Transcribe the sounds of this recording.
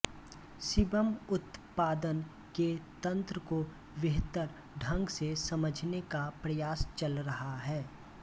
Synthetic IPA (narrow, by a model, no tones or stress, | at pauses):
sɪbəmʊt̪paːd̪ən | ket̪ɐ̃nt̪ɾəko | ʋɪɦt̪əɾ | ɖʱɐ̃ŋɡsesɐməd͡ʒʱnekapɾɐjaːst͡ʃɐlɾɐɦaɦɛː